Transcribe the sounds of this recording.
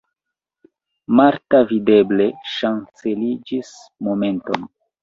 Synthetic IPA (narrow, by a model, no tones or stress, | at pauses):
maɾtavide̞ble̞ʃant͡se̞lid͡ʒis | mo̞me̞nto̞n